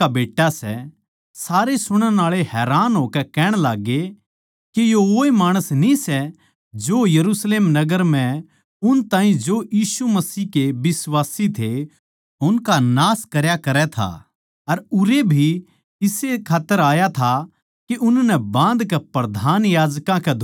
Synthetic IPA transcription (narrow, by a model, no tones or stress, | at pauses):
abeːʈːasɛ̰ | saːɾesʊɽ̃ənaːɭeɦɛːɾaːnɦoːkɛkɛːɽ̃laːɡːe | kejooːemaːɽ̃əsnĩsɛ | d͡ʒoːjɐɾusleːmnɐɡəɾm̤ɛ̃ | ʊnt̪ãːĩd͡ʒojiːsumɐsiːkebɪswaːsit̪ʰe | ʊnkanaːskɐɾjakɐɾɛt̪ʰa̰ | ɐɾʊɾebʱi | ɪsekʰaːt̪ːəɾaːjat̪ʰa | kiʔʊnnɛbãːnd̪kɛpɾɐd̪ʱaːnjaːd͡ʒkãkɛd̪ʱ